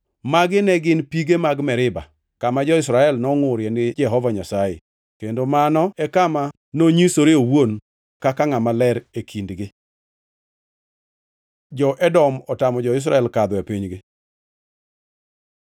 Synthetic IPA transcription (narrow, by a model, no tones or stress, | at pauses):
maɡɪnɛɡɪnpiɡemaɡmɛɾɪba̰ | kamad͡ʒɔɪsɾaɛlnɔŋoɾjenɪd͡ʒɛɦɔvaɲasajḛ | kendomanɔɛkama | noɲisoɾeowon | kakaŋamalɛɾekʰindɡɪ | d͡ʒɔʔɛdɔmɔtamɔd͡ʒɔɪs̬ɾaɛlkad̪ɔepiɲɡɪ